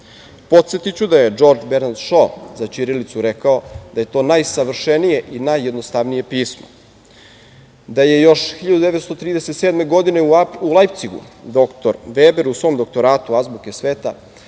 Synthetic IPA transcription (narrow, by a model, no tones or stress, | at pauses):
po̞t̪set̪it͡ɕud̪aje̞d͡ʒo̞ɾd͡ʒbeɾnad̪ʃozat͡ɕiɾilit̪suɾekao̞d̪̥aje̞t̪o̞ːnajsaʋr̩ʃenije̞ʔinajːed̪nost̪aʋnije̞piːsmo̰ | d̪aje̞jo̞ʃxiʎad̪ud̪eʋet̪st̪o̞t̪ɾiːd̪eset̪seːd̪me̞ɡo̞d̪ine̞uulˠajpt̪siɡṵd̪o̞kt̪oɾʋeːbeɾusʋo̞ːmd̪o̞k̚t̪o̞ɾaːt̪uazbukesʋeːt̪a